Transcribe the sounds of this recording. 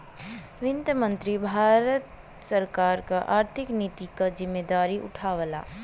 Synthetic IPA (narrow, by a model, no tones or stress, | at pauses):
ʋɪnd̪əmə̃nt̪ɾibʱaːɾət̪ | səɾkaːɾkaʔa̰ːɾt̪ʰɪkniːt̪ikazɪmːeːd̪aːɾiʔʊ̰ʈʰaːʋəla̰ː